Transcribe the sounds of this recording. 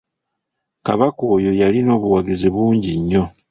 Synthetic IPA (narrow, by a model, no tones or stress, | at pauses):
kaβako̞ːjo̞jalino̞ːβuwaɡiziβuːɲɟiɲːo̞